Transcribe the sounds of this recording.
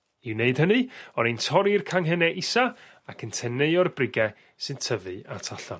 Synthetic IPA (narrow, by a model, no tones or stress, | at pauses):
iwneɨd̥hənɨɔnentʰɔɾirkʰaŋɦɛnɛʔɪsa | akʰəntʰɛnejɔrbrɪɡɛ | sɨntʰəvɨa̰tʰaɬa̰n